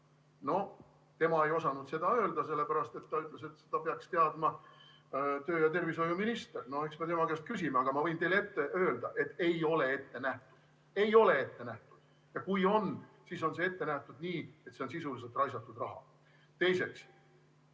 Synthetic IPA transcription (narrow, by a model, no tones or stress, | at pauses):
no̞ | t̪e̞mɑe̞jo̞sɑnud̪̥se̞d̪̥ɑø̞ːld̪̥ɑse̞lːe̞pæɾɑst̪e̞t̪ːɑyt̪ˑlese̞t̪se̥d̪ɑpeɑkst̪e̞ɑd̪̥mɑ | t̪øːjɑt̪e̞rviso̞juminist̪erno̞e̞ksme̞t̪e̞mɑkeːst̪̚kysimeɑɡ̥ɑmɑvɤjnt̪e̞le̞t̪ːe̞ʔøːld̪̥ɑʔe̞t̪ːˑe̞jo̞le̞e̞t̪ːe̞næht̪u̥d̪̥ | e̞jo̞le̞e̞t̪ːe̞næht̪ud̪̥ | jɑkujo̞n | siso̞nse̞e̞t̪ːenæht̪ud̪̥niːe̞t̪se̞o̞nsisuliselt̪ˑrɑjsɑt̪ːˑud̪rɑɦɑ̰ | t̪e̞jse̞ks